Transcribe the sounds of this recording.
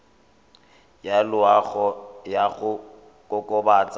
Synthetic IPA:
jalʊaɣɔjaɣʊ | kʼɔkʼɔbaːt͡sʼa

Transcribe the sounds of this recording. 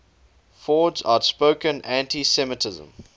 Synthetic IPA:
fɔːdza̰ʊtspoʊkə̃næ̃ntisɛmətʰɪzə̰̃m

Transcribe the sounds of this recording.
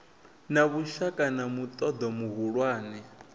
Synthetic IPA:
naβuʃakʼanamut̪ʼɔd̪ɔmuɦuɺwaːnɛ

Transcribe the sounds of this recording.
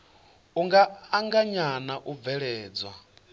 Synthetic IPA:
uŋɡaːŋɡaɲanaʔub̪vɛɺɛːd͡zwa

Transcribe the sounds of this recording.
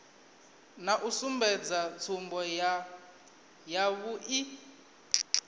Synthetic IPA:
naʔusumbʱɛd͡zat͡sʰumbʱɔ | jaβuʔi

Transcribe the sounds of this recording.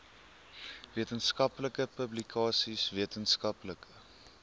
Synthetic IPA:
viətənskɐpləkəpəblikʰɑːsisviətənskɐpləkə

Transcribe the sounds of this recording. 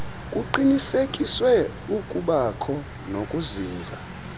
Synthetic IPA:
kʼuǃinisekʼiswɛ | ukʼuɓakʰɔ | nokʼuziːnd͡zʱa

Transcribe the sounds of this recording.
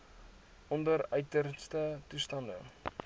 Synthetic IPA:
ʔɔndərœɥtərstətustɐndə̰

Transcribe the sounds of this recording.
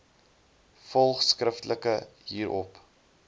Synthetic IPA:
fɔlˠχskrəftləkəɦiːɾʔɔp

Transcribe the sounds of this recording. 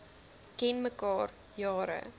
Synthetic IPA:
kɛnməkɑːr | jɑːɾə̰

